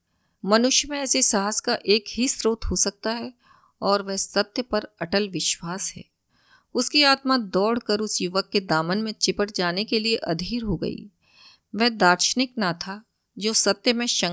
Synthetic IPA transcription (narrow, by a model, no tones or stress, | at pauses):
mɐnʊʃjəmẽɛːsesaːɦəskaʔeːkɦisɾoːt̪ɦosɐk̚t̪aɦɛ | ɔːɾʋɛɦsɐt̪jəpɐɾɐʈəlʋɪʃwaːsɦɛ̰ː | ʊskiaːt̪mad̪ɔːɽkɐɾʊsjʊʋəkːed̪aːmənmẽt͡ʃɪpəʈ̚d͡ʒaːnekelieʔɐd̪ʱiːɾɦoɡɐ̰ḭː | ʋɛɦd̪aːɾʃənɪknat̪ʰa | d͡ʒoːsɐt̪jəmẽʃɐ̃